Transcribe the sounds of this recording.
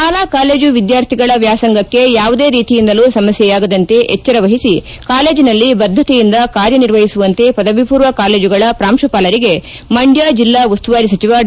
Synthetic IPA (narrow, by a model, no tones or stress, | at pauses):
aːlaːkaːleːd͡ʒuʋid̪jaːɾt̪ʰiɡɐɭɐʋjaːsɐŋɡɐkːe̞jaːʋud̪e̞ːɾiːt̪ijind̪ɐluːsɐmɐsjɛjaːɡɐd̪ɐnt̪e̞ʔɛt͡ʃːɐɾɐʋɐɦisi | kaːle̞ːd͡ʒinɐlːibɐd̪ʱːɐt̪ɛjind̪ɐkaːɾjɐniɾʋɐɦisuʋɐnt̪e̞pɐd̪ɐʋipuːɾʋɐkaːle̞ːd͡ʒuɡɐɭɐpɾaːmʃɐpaːlɐɾiɡe̞ | mɐɳɖjaːd͡ʒilːaːʋɐst̪uʋaːɾisɐt͡ʃiʋa